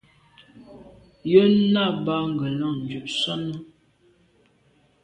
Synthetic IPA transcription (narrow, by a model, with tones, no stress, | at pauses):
jə˦na˦˨ba˦ŋ˨ɡə˨la˦˨ŋnd͡ʒu˨ʔsɔ˦nə˦